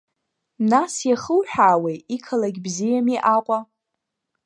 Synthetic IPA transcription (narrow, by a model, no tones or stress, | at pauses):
nasjaχəwħᶣaːwejikʰalaɡʲbzijamiʔaqʷʼa